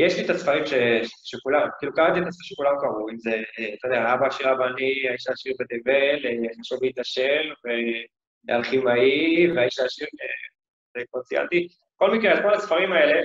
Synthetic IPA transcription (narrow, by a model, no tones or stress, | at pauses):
jeʃlit̪asfaʁimʃeʃekulamkiːlukaʁat̪iet̪asfʃekulamkaʁuimze̞t̪od̪eaabaːʃiʁabaniaiʃaʃiʁbet̪eveleχaʃuvleit̪aʃelve | a̰lχimaiveaiʃaːʃiʁe | depot͡sia̰nt̪i | ko̞lmikʁealkolasfaʁimae̞le̞